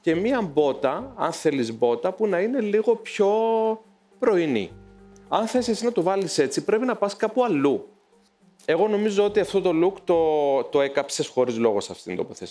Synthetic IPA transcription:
ce̞miɐmbo̞t̪ɐɐ̰nθe̞lizbo̞t̪ɐpunɐine̞liɣo̞pço̞ | pɾo̞inḭ | ɐnθe̞sisinɐt̪ovɐlise̞t͡sipɾe̞pinɐpɐskɐpuɐlu | e̞ɣo̞no̞mizo̞o̞t̪iɐft̪o̞t̪o̞lukt̪o̞t̪o̞e̞kɐpse̞sxo̞ɾizlo̞ɣo̞sɐft̪i̥t̪ind̪o̞po̞θesi

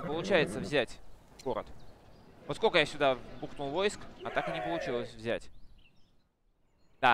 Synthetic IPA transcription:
pəlˠʊt͡ɕæjɪt̪səvzʲætʲ | ɡo̞ɾə̰t̪ | vot̪skolʲkəjasʲʊd̪abuknulˠvo̞jɪskɐt̪akɨnʲɪpəlˠʊt͡ɕilˠəsʲvzʲætʲ | d̪a

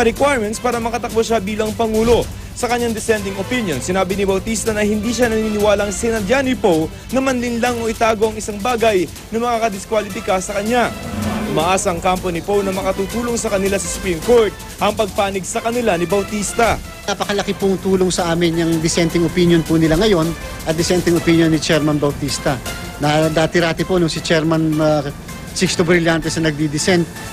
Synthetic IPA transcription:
ɐɾɛkwajɹmɛnt̪spaːɾɐmɐkɐt̪ɐk̚boʃabiːlɐŋpɐŋuːlo̞ | sɐkɐɲːaŋd̪ɪsɛnt̪ɪŋopinjonsɪnaːbɪnɪbɐwt̪ist̪ɐnɐhɪnd̪iʃanɐniːnɪwaːlɐŋsɛnɐd̪janipow | nɐmɐnlɪnlaŋʔoʔɪt̪aːɡo̞ʔɐŋɪsaŋbaːɡɐj | nɐmɐkaːkɐd̪ɪskwalɪfɪkasɐkɐɲːaʔʊmɐʔasɐɐŋkamponɪpownɐmɐkɐt̪uːt̪uːlo̞ŋsɐkɐnɪlasɐsʊ̥pɾimko̞ɹt̪̚ | ʔɐŋpɐɡ̚paːnɪɡsɐkɐnɪlanɪbɐwt̪ist̪ɐ | napɐkɐlɐkɪpʊŋt̪uːlo̞ŋsɐʔaːmɪnjɐŋd̪ɪsɛnt̪ɪŋopinjonpunɪlaŋɐjo̞nʔɐt̪̚d̪ɪsɛnt̪ɪŋopinjo̞nːɪt͡ʃɛɾmɐnbɐwt̪ist̪ɐ | nad̪aːt̪ɪɾaːt̪ɪpo̞nʊŋsɪt͡ʃɛɾmɐn | sɪkst̪ubɾɪljant̪ɛsnɐnɐɡ̚d̪id̪ɪsɛnt̪̚

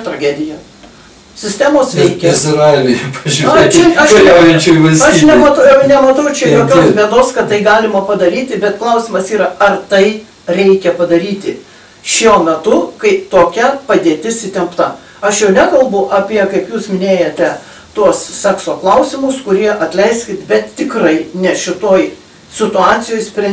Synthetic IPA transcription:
t̪ɾɐɡʲæːd̪ʲɪjɛ | sʲɪsʲt̪ʲæːmoːsʋʲɛɪkʲɛɪzɾɐɪʋʲɛpɐʒʲt͡ʃʲɛɐʃlɛʊjɛnt͡ʃʲoːʋɐɪsʲɐʃnʲɛmɐt̪ɐʊjɛʊnʲɛmɐt̪ɐʊt͡ʃʲɛjoːkʲoːsmʲiɛd̪oːskɐt̪tːɐɪɡɑːlʲɪmɐpɐd̪ɐɾʲiːt̪ʲɪbʲɛt̪klˠɐʊsʲɪmɐsiːɾɐɐrt̪ɐɪ | ɾʲɛɪkʲɛpɐd̪ɐɾʲiːt̪ʲɪ | ʃʲuɔmʲɛt̪ʊkɐɪt̪oːkʲɛpɐd̪ʲeɛt̪ʲɪsʲɪt̪ʲɛmpt̪ɐ | ɐʃjɛʊnʲækɐlˠbʊʔɐpʲiɛkɐɪpjuːsmʲɪnʲeːjɛt̪ʲɛ | t̪uɔssʲæːksoːklˠɐʊsʲɪmʊskʊɾʲiɛʔɐt̪ʲlʲɛɪsʲkʲɪt̪bʲɛt̪tʲɪkrɐɪnʲɛʃʲɪt̪oːj | sʲɪt̪ʊɑːt̪t͡s̪ʲɪjoːjsʲpʲɾʲɛ

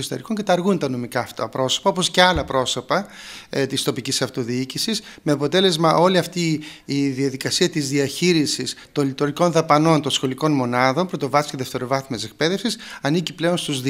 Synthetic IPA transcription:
ost̪eɾiko̞ɲcet̪ɐɾɣunt̪ɐno̞mikɐft̪ɐ̰pɾo̞so̞̥pɐo̞posceɐlɐpɾo̞so̞pɐt̪ist̪o̞picisɐft̪o̞ðiicisisme̞ɐpo̞t̪e̞le̞zmɐʔo̞liɐft̪iːðiɐðikɐsiɐt̪izðiɐçiɾisist̪o̞nlit̪oɾiko̞nðɐpɐno̞nt̪o̞nsxo̞liko̞nmo̞nɐðo̞mpɾo̞t̪o̞vɐsceðe̞ft̪e̞ɾo̞vɐθimesek̚pe̞ðe̞fsisɐniciple̞o̞nst̪uzð

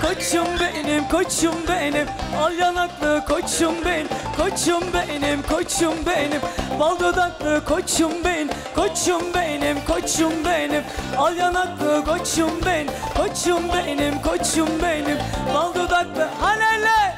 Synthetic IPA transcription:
kʰot͡ʃʰumbenimkʰot͡ʃʰumbenimalˠjanaklˠɯkʰot͡ʃumbemkʰot͡ʃumbenimkʰot͡ʃʰumbenimbalˠd̪od̪ak̚lˠɯkʰot͡ʃʰumben | kʰot͡ʃʰumbenimkʰot͡ʃumbenimalˠjanaklˠɯkʰot͡ʃumbenkʰot͡ʃʰumbenimkʰot͡ʃumbenimbalˠd̪od̪ak̚lˠɯhalelʲɛ

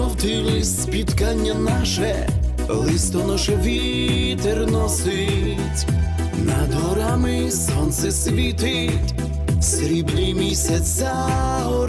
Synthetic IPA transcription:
ɔwt̪ɪlˠɪsʲpʲit̪kanʲːɐnaʃɛ | lˠɪst̪ɔnɔʃɛʋʲi | t̪ɛrnɔsɪ | tʲ | nad̪ɔɾamɪ | sɔnt̪sɛsʲlʲit̪ɪ | tʲ | sɾʲiblʲimʲisʲɛ | a | ɦɔ

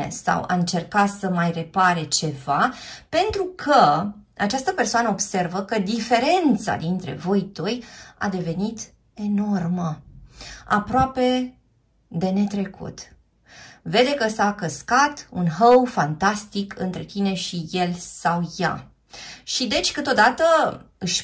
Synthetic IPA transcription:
ḛsa̰wa̰ɨnt͡ʃe̞rkasəmajre̞paɾet͡ʃe̞vape̞nt̪ɾukʰə | at͡ʃast̪əpe̞rsoanəobse̞rvəkəd̪ife̞ɾe̞nt̪sa̰d̪int̪ɾe̞̰vo̞jt̪oja̰d̪e̞ve̞nit̪ | e̞no̞rmə | a̰pɾoape̞ | d̪e̞ne̞t̪ɾe̞kʰṵt̪ | ve̞d̪e̞kəsakəskat̪unɦəwfant̪ast̪ikʰɨnt̪ɾe̞t̪ine̞ʃije̞lsawja̰ | ʃid̪e̞t͡ʃʲkɨt̪o̞d̪at̪əɨʃʲ

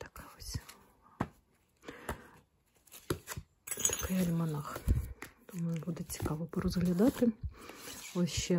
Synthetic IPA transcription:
t̪ɐ̥kaɔsʲ | t̪ɐ̥kɪjɐlʲmɐnaxt̪umbud̪ɛt͡sʲi̥kɑʋɔpɔɾɔzɣlʲɐd̪ɑt̪ɪ | ɔʃɛ

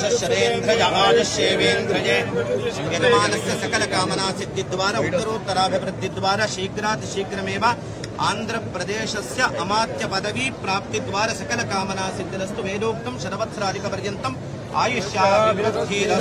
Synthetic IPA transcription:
ʃɐʃɐɾeːnt̪ɾɐd͡ʒɐɦaːd͡ʒ̪ɐʃeːʋeːnɡɾɐd͡ʒeːɡɐnɐmaːnɐsjɐsɐkɐlɐkaːmɐnaːsid̪ːid̪ʋaːɾɐut̪ːɐɾoːt̪ːɐɾaːbʱiʋɾud̪ʱːid̪ʋaːɾaʃiːkɾaːt̪ʃiːkɾɐmeːʋɐ | aːnd̪ɾɐpɾɐd̪eːʃɐsjɐʔɐmaːt̪jɐpɐd̪ɐʋipɾaːp̚t̪id̪ʋaːɾɐsɐkɐlɐkaːmɐnaːsid̪ːɐɾɐst̪uʋeːloːk̚t̪ɐmʃɐd̪ɐʋɐt̪ʰːɾaːd̪ʱikɐpɐɾjɐnt̪ɐm | a̰ːjiʃjaːʋɾɐd̪ʱːiːɾɐ

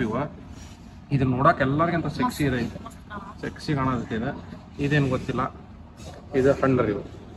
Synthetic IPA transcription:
iʋɐ | id̪unoːɽaːkɛlːɐɾɡiɐnt̪ɐʃeksiːd̪eid̪u | ʃeksiɡɐɳad̪k̪ːid̪e | id̪eːnuɡot̪ːilːɐ | id̪uhɐɳɖɐɾiʋɐ

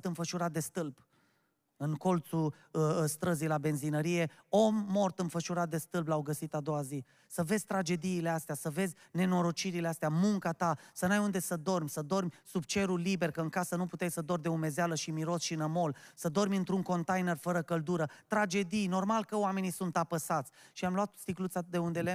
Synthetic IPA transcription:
t̪ɨnfəʃuɾat̪̚d̪e̞st̪ɨlb | ɨnko̞lt̪su | st̪ɾəzijlabe̞nzinəɾije̞o̞mːo̞rt̪ɨnfəʃuɾat̪̚d̪e̞st̪ɨlblawɡəsit̪ad̪o̞wazi | səve̞zʲt̪ɾad͡ʒe̞d̪iːle̞ast̪easəve̞zʲne̞no̞ɾo̞t͡ʃiɾileast̪eamuŋkat̪asənajund̪e̞səd̪o̞rmʲsəd̪o̞rmʲsub̚t͡ʃe̞ɾulibe̞rkəɨŋkasənuput̪ejsəd̪ord̪e̞ume̞zealəʃimiɾo̞sʃinəmo̞lsəd̪o̞ɾmʲɨnt̪ɾuŋko̞nt̪ajne̞rfəɾəkəld̪uɾət̪ɾad͡ʒe̞d̪ijno̞rmalkəoame̞nisunt̪apəsat̪sʲʃiamluat̪st̪iklut̪sad̪eund̪ele

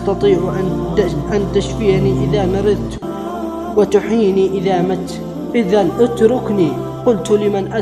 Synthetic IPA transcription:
t̪ɑt̪ˤiːʕ | ʔant̪aʃfɪʕniːʔɪðaːmɑɾɪðˤt̪ | wɪt̪ʊħiːniːʔɪðaːmat̪ | ʔɪðanʔat̪ɾʊkniː | qʊlt̪lɪmanʔa

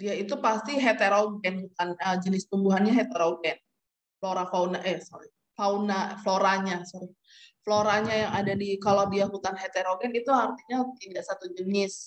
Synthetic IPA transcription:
diait̪upast̪iɦet̪eɾoɡɛnhut̪anəd͡ʒənɪst̪umbuɦanɲaɦet̪ɛɾoɡɛn | floɾafaunaʔɛsoɾi | faunafloɾaɲasɔɾi | floɾaɲajaŋadadikalawdiaɦut̪anɦet̪eɾoɡɛnit̪uart̪iɲat̪idaʔsat̪ud͡ʒənɪs

